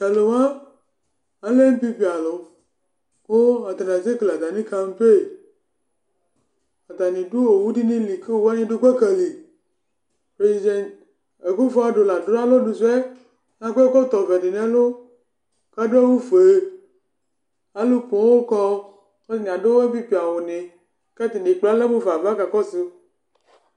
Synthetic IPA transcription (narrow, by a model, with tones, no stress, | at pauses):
ɛ˨le˨wã˦ | a˦le˦n̩˦pi˦ɸi˨a˨lo˨ | ko˦a˨t̪a˨nã˨ze˦kle˨a˨t̪a˨nĩ˦ka˦ŋ̩˦pe˦˨ | a˨t̪a˨nĩ˨du˦wo˨wu˦ɖi˦nĩ˦li˨ke˦wo˦wa˦ɲẽ˦ɖo˦ke˦ke˨li˨ | pɾe˨zi˨dɛ˨n | e˨ku˦fo˦a˨ɖo˨la˨dɾo˦a˦lo˦ɖu˨sɛ˦ | nã˦kkɔ˦t̪ɔ˨vɛ˨ɖi˨nɛ̃˦lo˦ | ka˦ɖo˦e˦wu˦fe˨ | a˦lu˦põ˨˦wo˦kɔ˦ | e˦i˦ɲ˨a˨ɖo˦wo˦e˦pi˦pi˨a˨wo˨nẽ˨ | ka˦t̪i˨ɖe˨k͡pla˦lɛ˦bo˦va˨va˦ka˨kɔ˦se˨˦